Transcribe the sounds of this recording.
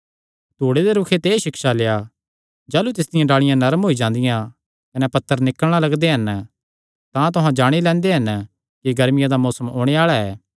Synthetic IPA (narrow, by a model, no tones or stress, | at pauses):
t̪oːɽed̪eɾʊkʰet̪eːʃɪkʃaleja | d͡ʒaːlut̪ɪsd̪ɪjãɖaːɭɪjãnɐɾmɦoːid͡ʒãːnd̪ɪjã | kɐnɛpɐt̪ːəɾnɪkəɽ̃alɐɡd̪eɦɐn | t̪ãt̪̬ʊɦãd͡ʒaːɽ̃ilɛ̃ːnd̪eɦɐn | kiɡɐɾmɪjãd̪amɔːsəmoːɽ̃eaːɭaɛː